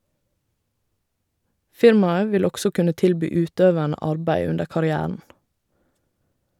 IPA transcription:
ˈfɪɾmɑə ˈʋɪl ˈɔɡsɔ ˈkʉnə ˈtɪlˌbyː ˈʉːˌtøːʋæɳə ˈɑɹbæɪ ˈʉndə kɑɾɪˈæːəɳ̩

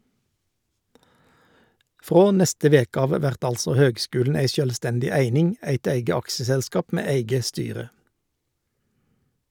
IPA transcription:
ˈfʁoː ˈnɛstə ˈʋeːkə ˈɑːʋ ˈʋæʁt ˈɑlsɔ ˈhøːɡˌskʉːln̩ ˈæɪ ˈʃøːlˌstɛndɪ ˈæɪnɪŋ ˈæɪt ˈæɪɡə ˈɑksəsɛlˌskɑːp ˈmeː ˈæɪɡə ˈstyːʁə

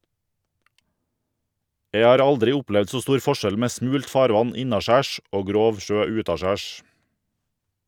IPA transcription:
ˈjeɪ ˈɑːɾ ˈɑldɾɪ ˈʊˌplɛʋd ˈsoː ˈstuːɾ ˈfɔˌʃɛl ˈmeː ˈsmʉːlt ˈfɑːɾˌʋɑn ˈɪnɑˌʃæːʃ ˈoː ˈɡɾoːʋ ˈʃøː ˈʉːtɑˌʃæːʃ

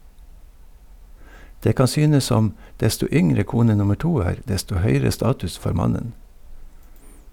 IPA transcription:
ˈdeː ˈkɑn ˈsyːnəs ˈsɔm ˈdɛstʊ ˈʏŋɾə ˈkuːnə ˈnʊmə ˈʈuː ˈæːɾ ˈdɛstʊ ˈhœʏɾə ˈstɑːtʉs ˈfoːɾ ˈmɑnən

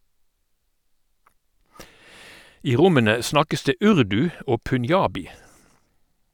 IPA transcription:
ˈiː ˈʁʊmənə ˈsnɑkəs ˈdeː ˈʉʁdʉ ˈoː pʉnˈjɑːbɪ

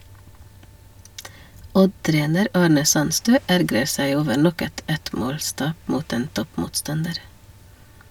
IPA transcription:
ˈɔdˌtɾeːnəɾ ˈɑːɳə ˈsɑnstøː ˈæɾɡɾə ˈsæɪ ˈoːʋə ˈɳɔk ˈɛt ˈɛtˌmoːlˌstɑːp ˈmuːt ˈeːn ˈtɔpmuːtˌstɑndəɾ

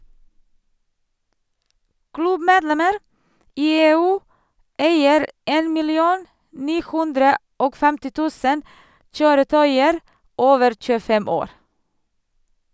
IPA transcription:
ˈklʉbmeːdˌlɛməɾ ˈiː ˈeːˌʉː ˈʔæɪəɾ ˈeːn mɪlɪˈuːn ˈniː ˈhʉndɾə ˈoːɡ ˈfɛmtɪ ˈtʉːsən ˈçøːɾəˌtœʏəɾ ˈoːʋəɾ c͡çʉːəˈfɛm ˈoːɾ

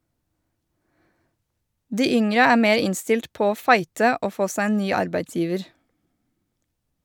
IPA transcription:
ˈdiː ˈʏŋɾə ˈæː ˈmeːɾ ˈɪnstɪlt ˈpoː ˈoː ˈfɑɪtə ˈoː ˈfoː ˈsæ ˈeːn ˈnyː ˈɑɾbæɪtˌsjiːʋəɾ

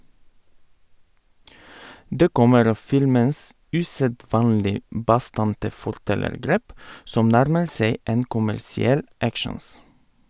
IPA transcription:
ˈdeː ˈkɔməɾ ˈɑː ˈfɪlməns ˈʉːsəˌdʋɑːnlɪ ˈbɑˌstɑntə fɔɾˈtɛləɾˌɡɾeːp ˈsɔm ˈnæɾmə ˈseɪ ˈeːn kʊmæɾsɪˈɛl ˈækʃəns

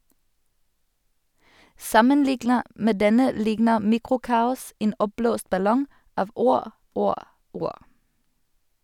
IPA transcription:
ˈsɑmənˌlɪɡnəʁ ˈmeː ˈdɛnə ˈlɪɡnə ˈmiːkʁʊˌkɑːʊs ˈeːn ˈɔpˌbloːst bɑˈlɔŋ ˈɑːʋ ˈuːʁ ˈuːʁ ˈuːʁ

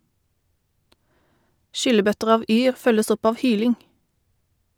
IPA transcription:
ˈʃʏləˌbœtəʁ ˈɑːʋ ˈyːʁ ˈfœləs ˈɔp ˈɑːʋ ˈhyːlɪŋ

